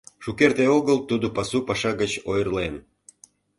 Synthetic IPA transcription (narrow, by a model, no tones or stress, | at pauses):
ʃukert̪eoɣəlt̪ud̪opɑsupɑʃɑɡət͡ɕojərlen